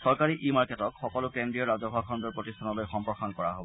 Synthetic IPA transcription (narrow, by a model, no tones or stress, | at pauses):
sɔɹkaɹiʔimaɹketɔkxɔkɔlʊkendɹiɔɹazɔbʱakʰɔndɔɹpɹotistʰanɔlojxɔmpɹɔxankɔɹa̰ɦobɔ